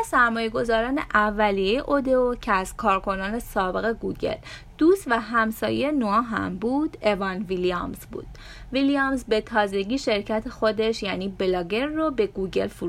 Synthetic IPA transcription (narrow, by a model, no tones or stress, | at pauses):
æsæɾmɒːje̞ɡo̞zɒːɾɒːne̞̰ʔævːælijejeʔod̪eocʰeæz̥kʰɒːɾkʰo̞nɒːnesɒːbe̞ɣe̞ɡuːɟe̞̰l | d̪̥ust̪væɦæmsɒ̰ːjejenoɒːɦæ̰mbuːd̪e̞vɒnviliɑ̰mzbṵːd̪̥ | vilijɑmzbe̞t̪ʰɒːze̞ɟiːʃe̞ɾcʰæt̪ʰexo̞d̪e̞ʃjæːniːbelɒːɡe̞nrobe̞ɡuɟe̞̰lfuɾu